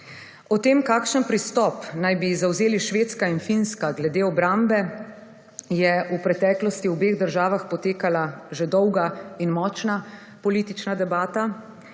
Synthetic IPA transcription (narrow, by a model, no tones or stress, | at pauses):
ɔt̪eːmkaːkʃənpɾist̪ɔpnajbizawzeːliʃʋeːt̪skainfinskaɡlɛd̪eːɔbɾambɛ | jɛupɾɛt̪ɛːklɔst̪iubeːɣd̪əɾʒaːʋaxpɔt̪eːkalaʒed̪ɔwɡainmɔt͡ʃna | pɔliːt̪it͡ʃnad̪ɛbaːt̪a